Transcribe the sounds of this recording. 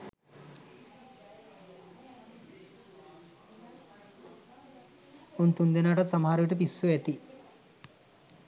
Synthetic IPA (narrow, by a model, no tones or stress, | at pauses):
unt̪und̪enaːʈɐsɐmɐɦaɾuʋiʈəp̬isːuɛt̪i